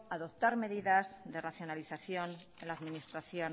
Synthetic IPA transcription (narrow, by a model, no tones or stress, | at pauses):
aðop̚t̪aɾme̞ðiðazðe̞raθjo̞naliθaθjo̞n | elaðminist̪ɾaθjo